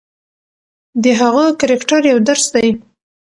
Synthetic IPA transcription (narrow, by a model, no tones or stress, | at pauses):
d̪əɦaɣakaɾɪkʈaɾjawd̪aɾsd̪aj